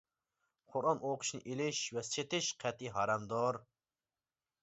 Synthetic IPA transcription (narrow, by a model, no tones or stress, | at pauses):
qʰʊɾɑnoqʰʊ̥ʃnɪ̰ʔelɪʃwɛst͡ʃʰet̪ɪʃqʰɛt̪iɦɑɾɑmd̪oɾ